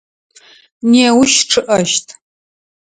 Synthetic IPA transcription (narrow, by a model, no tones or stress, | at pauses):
neːwʃʈ͡ʂʰɨʔɐʃtʰ